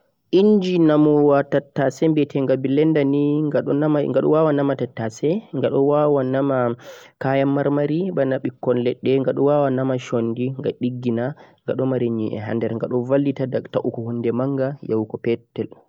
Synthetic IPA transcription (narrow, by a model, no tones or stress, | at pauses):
ʔiɲd͡ʒinamɔwatatːasɛmbɛtʰɛŋɡabilɛndaniŋɡaɗɔnamaŋɡaɗɔ̰wawanamatatːasɛŋɡaɗɔwawanamakajamːaɾmaɾibanaɓikːɔnlɛɗːɛŋɡaɗɔwawanamaʃondiŋɡa̰ɗiɡːinaŋɡa̰ɗɔmaɾiɲḭʔɛ̰ɦa̰ndɛɾŋɡaɗɔvalːitadataʔukɔhundɛmaŋɡajawkɔpɛtːɛl